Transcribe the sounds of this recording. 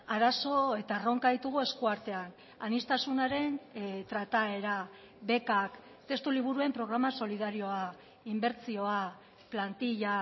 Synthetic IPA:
aɾaso̞e̞t̪aro̞ŋkaðit̪uɣ̞ue̞skuaɾt̪e̞an | anist̪asunaɾe̞nt̪ɾat̪ae̞ɾa | βe̞kak | t̪e̞st̪uliβuɾue̞mpɾo̞ɣ̞ɾamaso̞lið̞aɾio̞a | imbe̞ɾt͡sio̞a | plant̪iʎa

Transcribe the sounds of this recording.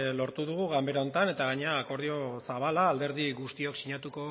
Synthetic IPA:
lo̞ɾt̪uðuɣ̞uɣambe̞ɾaont̪ane̞t̪aɣaɲe̞aːko̞ɾð̞io̞saβalaːld̪e̞ɾðiɣust̪io̞ksiɲat̪uko̞

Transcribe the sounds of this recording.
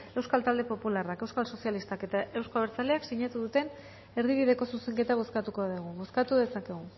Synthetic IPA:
e̞wskalt̪ald̪e̞po̞pularakewskalso̞sijalist̪ake̞t̪ae̞wskoβeɾt͡sale̞aksiɲat̪uðut̪e̞n | e̞ɾðiβ̞iðe̞ko̞suse̞ŋke̞t̪aɣ̞oskat̪uko̞ðeɣ̞uɣoskat̪uðe̞sakeɣ̞u

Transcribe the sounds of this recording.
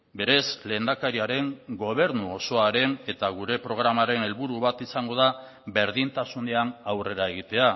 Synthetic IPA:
be̞ɾe̞sle̞ːnd̪akaɾiaɾe̞ŋɡo̞β̞e̞ɾnuo̞so̞aɾe̞ne̞t̪aɣuɾe̞pɾo̞ɣ̞ɾamaɾe̞ne̞lβuɾuβat̪isaŋɡo̞ða | be̞ɾðint̪asuneanawre̞ɾae̞ɣ̞it̪e̞a

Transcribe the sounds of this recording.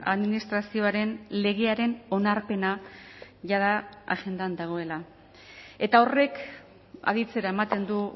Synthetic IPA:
a̰ðminist̪ɾasio̞aɾe̞nle̞ɣ̞e̞aɾe̞no̞naɾpe̞na | ʝaðaa̰ʝe̞nd̪and̪aɣ̞o̞e̞la | e̞t̪ao̞re̞k | a̰ðit͡se̞ɾae̞mat̪e̞nd̪u

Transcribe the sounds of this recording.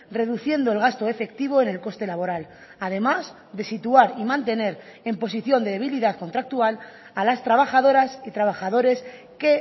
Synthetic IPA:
re̞ðuθje̞nd̪o̞elɣ̞ast̪o̞e̞fe̞kt̪iβ̞o̞e̞ne̞lko̞st̪e̞laβo̞ɾal | að̞e̞maz | ðe̞sit̪uaɾimãnt̪e̞ne̞ɾe̞mpo̞siθjo̞nd̪e̞ðe̞β̞iliðaðko̞nt̪ɾak̚t̪ual | alast̪ɾaβ̞axað̞o̞ɾasit̪ɾaβ̞axaðo̞ɾe̞s | ke̞

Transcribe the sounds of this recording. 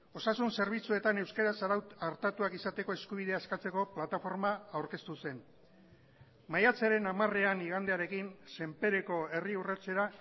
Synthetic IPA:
o̞sasunse̞ɾβ̞it͡sue̞t̪ane̞wskaɾasaɾaaɾt̪at̪uakisat̪e̞ko̞e̞skuβ̞ið̞e̞askat͡se̞ko̞plat̪afo̞ɾmaawɾke̞st̪use̞n | majat͡seɾe̞namare̞aniɣ̞and̪e̞aɾe̞kinse̞mpe̞ɾe̞ko̞e̞riuret͡se̞ɾa

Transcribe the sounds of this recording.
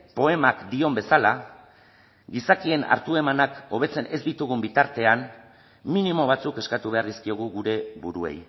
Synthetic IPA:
po̞e̞makd̪io̞mbe̞sala | ɡisakie̞na̰ɾt̪ue̞manako̞β̞e̞t͡se̞ne̞zd̪it̪uɣumbit̪aɾt̪e̞an | minimo̞β̞at͡suke̞skat̪uβe̞aɾðiskio̞ɣuɣuɾe̞βuɾuḛj

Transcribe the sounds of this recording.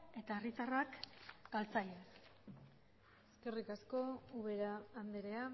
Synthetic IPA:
e̞t̪aerit̪arakɡalt͡saʎes | eske̞rikasko̞uβe̞ɾaːnd̪eɾe̞a

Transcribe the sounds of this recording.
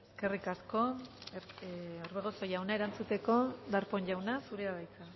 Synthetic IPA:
eske̞rikasko̞ | oɾβeɣ̞oso̞jawnaeɾant͡sut̪e̞ko̞d̪aɾpo̞ɲʝawnasuɾeaβajt͡sa

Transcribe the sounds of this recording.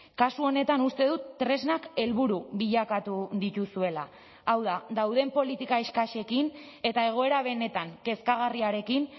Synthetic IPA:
kasuo̞ne̞t̪anust̪e̞ðut̪ːɾe̞znake̞lβuɾuβiʎakat̪uðit̪usue̞laː | wðad̪awðe̞mpo̞lit̪ikaeskaʃe̞kin | e̞t̪ae̞ɣ̞o̞e̞ɾaβ̞e̞ne̞t̪aŋke̞skaɣ̞ariaɾe̞kin

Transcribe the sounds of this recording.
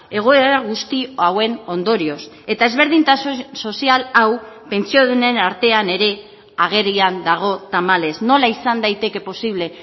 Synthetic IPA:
e̞ɣ̞o̞eɾaɣ̞ust̪iawe̞no̞nd̪o̞ɾio̞s | e̞t̪ae̞zβ̞e̞ɾðint̪aso̞sialaw | pe̞nt͡sioðune̞naɾt̪e̞ane̞ɾe̞ | aɣ̞e̞riand̪aɣ̞o̞t̪amale̞sno̞laisand̪ajt̪e̞ke̞po̞siβle̞

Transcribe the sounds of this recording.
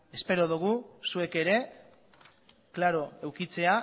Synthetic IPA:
e̞spe̞ɾo̞ðuɣ̞usue̞ke̞ɾe̞ | klaɾo̞e̞wkit͡se̞a

